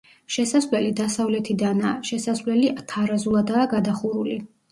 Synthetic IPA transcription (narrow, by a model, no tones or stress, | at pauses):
ʃɛsasvlɛlid̪asavlɛt̪ʰid̪anaːʃɛsasvlɛliʔat̪ʰaɾazulˠad̪aːɡad̪aχuɾuli